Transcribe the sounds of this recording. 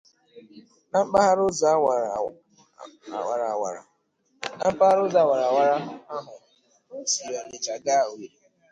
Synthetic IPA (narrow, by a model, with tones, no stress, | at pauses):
na˦ŋ͡m̩˦k͡pa˦ɦa˦ɾʊ˦zʊ˨a˦˨ | wa̰˨ɾa˨wa̰˨ɾa̰˨ | na˦ŋ͡m̩˦k͡pa˦ha˦ɾʊ˦zʊ˨a˨wa˨ɾa˨wa˨ɾa˦ɦʊ˨a˦ɦʊ˨ | o˦si˨ja˨ɲe˨t͡ʃa˨ɡa˦o˨i˨ɾi˨